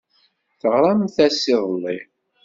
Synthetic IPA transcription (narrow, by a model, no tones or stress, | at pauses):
θəʁɾˤɑmθæsːɪðˤəlˤːi